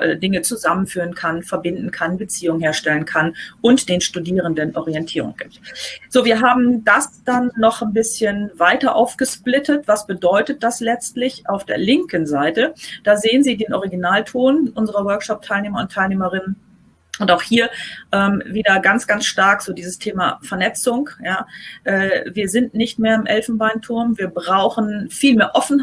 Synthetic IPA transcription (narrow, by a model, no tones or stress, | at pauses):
ʔɛ̰ːdɪŋət͡suzamənfyːʁənkʰanfɛɐbɪndn̩kʰanbət͡siːʊŋəhɦeːɐʃtɛlənkʰanʔʊntd̥eːnʃtudiːʁ̞əndənʔɔʁiɛntʰiːʁʊ̰ŋɡ̥ip̚tz̥oːviːɐɦaːbm̩dasd̥anːɔχnbɪsçənvaɪtɐʔa̰ʊfɡ̥əʃplɪtʰɐtv̥asb̥ədɔʏtət̚d̥aslɛt͡stlɪçʔaʊfd̥ḛːɐlɪŋkənzaɪtəd̥aːzeːənziːdeːnʔɔʁiɡinaːltʰoːnʔʊnzəʁɐwœɐkʃɔp̚tʰaɪlneːmɐʊntʰːaɪlneːməʁɪnən | ʔʊntaʊxhiːɐʔɛːmviːdɐɡant͡sɡ̥ansʃtaɐkz̥oːdiːzəstʰeːma̰fɛɐnɛt͡sʊŋkjaːʔɛːviːɐzɪntnɪçtmeːɐɪmʔɛlfn̩baɪntʰʊɐmviːɐbʁaʊxn̩fiːlmeːɐʔɔfn̩